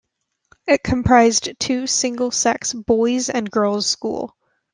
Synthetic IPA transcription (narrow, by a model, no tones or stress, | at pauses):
ɪt̚kʰə̃mpʰɹ̥aɪztʰʉsɪ̃ŋɡəl̩ˠsɛksb̥ɔɪzɨ̃nɡɜ˞lˠz̥skṵlˠ